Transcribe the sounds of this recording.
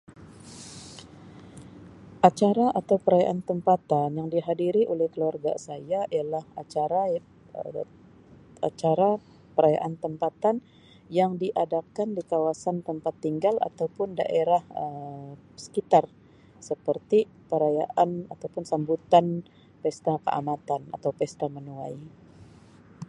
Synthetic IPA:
ʔat͡ʃaɾaʔat̪awpəɾaja̰ʔant̪əmpat̪anjaŋdiɦadiɾiʔolɛhkəluarɡa̰sajaialahat͡ʃaɾa | ə | a̰t͡ʃaɾa | pəɾaja̰ʔant̪əmpat̪an | jaŋdiʔadakandikawasant̪əmpat̪ːiŋɡala̰t̪awpʊnda̰ʔeɾahə | sə̥kit̪ar | səpərt̪i | pəɾaja̰ʔana̰t̪awpʊnsambut̪an | pɛst̪akə̰ʔa̰mat̪ana̰t̪awpɛst̪amənuaj

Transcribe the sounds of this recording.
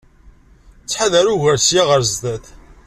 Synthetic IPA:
t͡sːħaðæɾuʝəɾsjaʁəɾzd̪æθ

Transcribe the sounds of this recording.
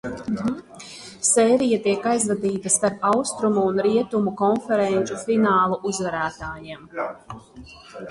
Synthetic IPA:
sɛːɾijat̪iɛkajzvad̪iːt̪ɐspaɾawst̪ɾumuːnɾiɛt̪umukɔnfɛɾɛnʲt͡ʃufinaːlˠuʔuzvaɾæːt̪aːjiɛm

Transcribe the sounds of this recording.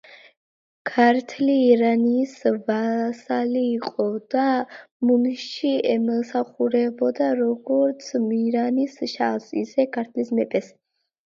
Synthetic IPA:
kʰaɾt̪ʰliːɾanisvasaliːqʼɔd̪̥amunʃiɛmɔsaχuɾɛbɔd̪aɾɔɡɔɾt̪sʰmiɾanisʃa̰sḭsɛkʰaɾt̪ʰlismɛpʼɛs

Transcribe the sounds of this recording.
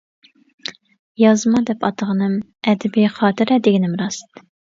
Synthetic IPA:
jɑzmɑd̪ɛpʰɑt̪ʰəʁənɨm | ɛd̪ɪbɪχɑːt̪ʰɨɾɛd̪ɪɡʲinɪmɾɑsɨ̥t̪

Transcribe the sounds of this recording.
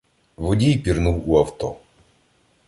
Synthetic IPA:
ʋɔdʲijpʲirnuwuɐwt̪ɔ

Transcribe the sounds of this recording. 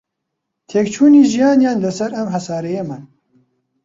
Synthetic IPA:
t̪ʰeːk̚t͡ʃʰuːniːʒijaːnjaːndɐsɐɾɐmhɐsaːɾejeːman

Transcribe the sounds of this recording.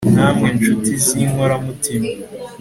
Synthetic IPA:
n̥aːmŋe̞nʃutiziŋhoɾamutima

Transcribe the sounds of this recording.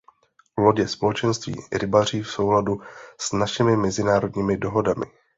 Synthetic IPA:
loɟɛspolɛt͡ʃɛnst̪vḭːɾɪbar̝iːfso̞wladusnaʃɪmɪmɛzɪnaːɾo̞dɲiːmɪdo̞ɦo̞damɪ̰

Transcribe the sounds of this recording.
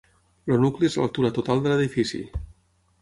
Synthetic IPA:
lonukliezla̰lˠt̪uɾət̪ut̪alˠd̪ələðifisḭ

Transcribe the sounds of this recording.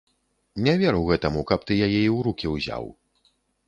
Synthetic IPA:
nʲavʲɛɾɨwɣɛt̪ɐmukɐp̚t̪ɨjajɛiwɾukʲiwzʲa̰w

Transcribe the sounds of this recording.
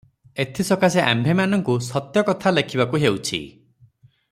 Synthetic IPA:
et̪ʰisɔkaseʔa̰mbʱemanɔŋkusɔt̪jɔkɔt̪ʰalekʰibakuɦewt͡ʃʰḭ

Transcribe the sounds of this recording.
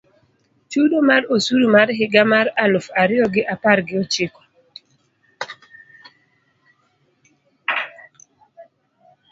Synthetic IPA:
t͡ʃudomaɾosuɾumaɾɦɪɡamaɾalʊfaɾɪɔɡɪʔapaɾɡɪɔt͡ʃɪkɔ̥

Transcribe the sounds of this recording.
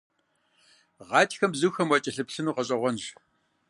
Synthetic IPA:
ʁɑːtʰʼxɐmbzuːxɐmwɐt͡ʃʼɪɬɨpɬɨnuːqɐɕʼɐʁʷɔnʒ

